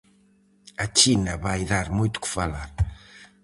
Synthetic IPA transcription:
ɐt͡ʃinɐβajðaɾmujt̪u̥kfɐlaɾ

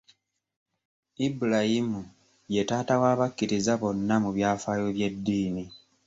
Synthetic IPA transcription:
ibulajimu | je̞taːtawaːβakːiɾizaβo̞nːamuβjaːfaːjo̞βje̞dːiːni

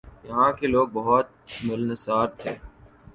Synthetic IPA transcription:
jɐɦãːkeloːɡ̚bɐɦɔt̪̚ | mʊlnəsaːɾt̪ʰeː

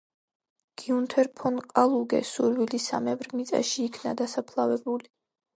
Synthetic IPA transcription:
ɡ̥iunt̪ʰɛɾpʰɔnqʼalˠuɡɛ̰suɾwilisa̰mɛvɾmit̪sʼa̰ʃiːkʰna̰d̪asapʰlˠavɛbuli

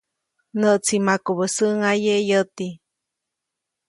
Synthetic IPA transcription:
nəʔt͡sʰimakuβəsəŋajejət̪i

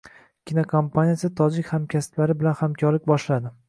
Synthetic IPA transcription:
kʲʰinokʰompʰanʲijasɪt̪ʰɒd͡ʒɪkʲhamkʲʰasɪ̥t̪laɾɪbɪlanhamkʰʲɒɾlɪk̚ʲbɒʃlad̪ɪ

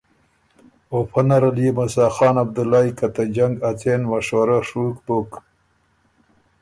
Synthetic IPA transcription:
opʰanaɾaljemasɑːxɑːnab̚d̪ulaikat̪ad͡ʒaŋɡat͡senwaʂwaɾaʂukbok

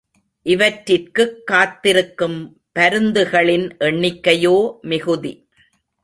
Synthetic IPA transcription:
ʔɪʋɐʈɾɪrkɯkːaːt̪ːɪɾɯkːɯm | pɐɾɯnd̪ɯɣɐɭɪnʔɛɳːɪkːɐjoːmɪɣɯði

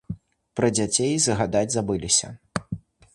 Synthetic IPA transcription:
pɾɐd͡zʲat͡sʲejzɐɣad̪ad͡zʲzabɨlʲisʲɐ̰

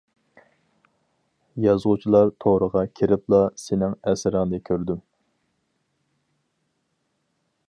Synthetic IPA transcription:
jɑzʁʊt͡ʃʰilˠɑɾt̪ʰoɾəʁɑkʲʰiɾɪplˠɑsɪnɪŋɛsɪɾɪŋd̪ɛkʲʰøɾd̪ym

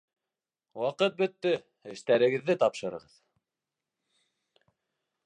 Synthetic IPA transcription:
wɑqɤt̪̚bɵ̆t̪ːɘ | ɘ̆ʃt̪æɾɘ̆ɡɘ̆ðːɘt̪ɑpʃɤ̆ɾɤ̆ʁɤð

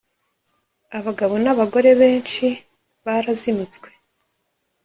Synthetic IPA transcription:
aβaɡaβonaβaɡo̞ɾe̞βe̞ːnt͡ʃi | βaɾazimut͡sɡwe̞

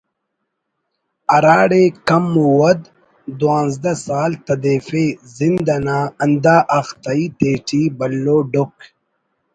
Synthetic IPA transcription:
ɐɾaːɽekɐmːuwɐd̪ | d̪wãːnzd̪ɐsaːlt̪ɐd̪eːfezind̪ɐnaːɐnd̪aːʔɐxt̪ait̪eːʈibɐlːoːɖok

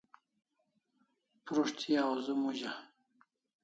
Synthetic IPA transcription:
pɾuʂt̪ʰiazumuʑa

